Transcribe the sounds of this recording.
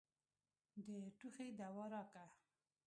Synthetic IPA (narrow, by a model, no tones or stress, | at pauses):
d̪əʈuxed̪awɑɾɑka